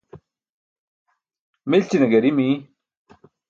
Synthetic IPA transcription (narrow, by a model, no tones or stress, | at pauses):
milt͡ɕinɐɡɐɾimi